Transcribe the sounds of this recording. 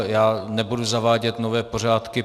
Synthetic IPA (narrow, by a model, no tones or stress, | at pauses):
jaːnɛbuduzavaːɟɛt̪novɛːpo̞r̝aːt̪kɪ